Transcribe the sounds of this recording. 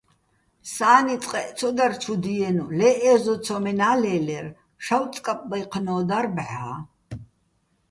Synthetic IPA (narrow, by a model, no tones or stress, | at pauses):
saːnit͡s̪ʼqʼɛʔt͡sʰɔd̪art͡ʃʰud̪iɛnulɛʔɛzɔt͡sʰɔmɛnaːlɛːlɛr | ʃawt͡s̪ʼkʼapʼbajqʰnɔːd̪aɾbʕaː